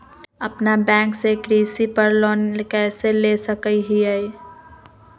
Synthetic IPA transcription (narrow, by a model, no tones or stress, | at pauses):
əpnabɛ̃ːŋksekɾiːsipəɾlɔːnkɛːselesəkəiɦiai